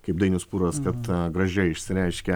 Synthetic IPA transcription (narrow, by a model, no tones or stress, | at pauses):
kɐɪp̚d̪ɐɪnʲuspuːɾɐskɐt̪ɡɾɐʒʲɛɪɪʃʲsʲɪɾʲɛɪʃʲkʲɛ